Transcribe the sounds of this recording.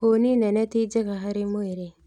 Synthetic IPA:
oninɛnɛt̪id͡ʒekaɦaɾimoiɾe

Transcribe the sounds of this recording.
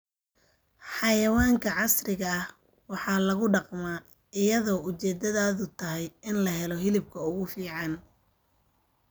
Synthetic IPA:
ħɑjɐwaːŋkʰɐʕɑsrɪɣɐɐh | wɑħɑːlɐɣʊɖɑqmaː | ɪjɐðɔːʊt͡ʃɛːd̪ɐðaːðʊt̪ʰɐɦɛjɪnlɐɦɛlɔɦɪlɪb̚kʰɐʊɣʊfiːʕɑn

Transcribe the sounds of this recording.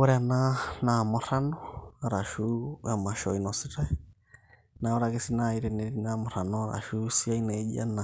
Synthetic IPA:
ɔɾɛananamɔɾanɔaɾaʃuamaʃɔinɔsiɾɛ | naɔɾakesinaiɾɛnɛɾinamʊɾanɔɾa̰ʃusiainɛd͡ʒia̰na

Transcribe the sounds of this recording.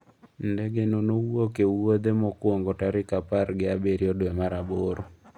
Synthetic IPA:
ndɛɡenonowokewod̪emɔkwoŋɡotaɾɪkapaɾɡɪabeɾjɔdwemaɾaboɾo

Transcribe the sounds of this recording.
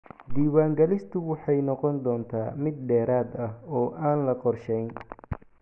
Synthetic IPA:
d̪iːwaːŋɡɐlɪst̪ʰʊwɑħɑjnɔqɔnd̪ɔːnt̪ʰa̰ːmɪd̪̚ɖɛːɾaːd̪ɐhɔːʔaːnlɐqɔrʃɛjn

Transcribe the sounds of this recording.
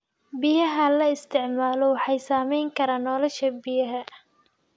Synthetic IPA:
bɪjɐɦɐlɐɪst̪ʰɪʕmaːlɔwɑħɑjsaːmɛjŋkʰɐɾaːnɔːlɔʃɐbɪjɐɦɐ

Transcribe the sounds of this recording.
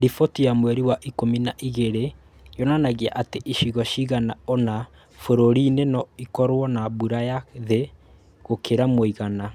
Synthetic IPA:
ɾifotijamwɛɾiwaʔikominaʔiɣeɾe | jɔnanaɣeaʔateʔiʃiɣɔʃiɣanaɔna | foɾoɾiːnenɔikɔɾwɔnabuɾajaðe | ɣokʰeɾamwoiɣana

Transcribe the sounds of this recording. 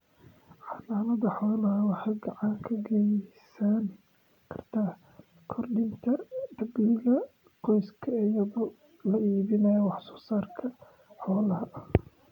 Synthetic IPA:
ʕɑlaːmɐðɐħɔːlɐɦɐwɑħɑːɡɑʕɑŋkʰɐɡɛjsaːn | kʰɐrt̪ʰaː | kʰɔrɖɪnt̪ʰɐd̪ɐbiːlɐ | qɔjskʰɐɪjɐðʊ | lɐʔiːβɪnɐjɐwɑħsɔ̥ːsaːrkʰɐ | ħɔːlɐɦɐʔ

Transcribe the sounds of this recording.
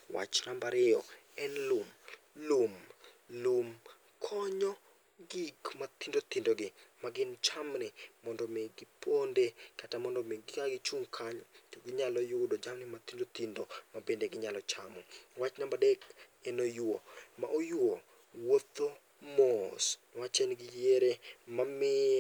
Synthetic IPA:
wa̰t͡ʃnambaɾɪɔɛnlum | lum | lum | kʰɔɲɔ | ɡikmat̪indot̪indoɡɪmaɡɪnt͡ʃamnɪmɔndɔmeɡɪpʰondekatamɔndɔmeɡɪkaɡɪt͡ʃuŋkʰaɲɔtoɡɪɲalɔjʊdod͡ʒamnɪmat̪indot̪indomabendeɡɪɲalɔt͡ʃamɔwat͡ʃnambadɛkenojoma̰ʔojwo | wot̪ːo | mosnwat͡ʃenɡɪjeɾemamɪ

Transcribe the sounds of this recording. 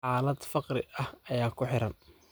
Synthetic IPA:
aːlɐd̪fɑqrɪʔɐhɐjaːkʰʊħɪɾɐn

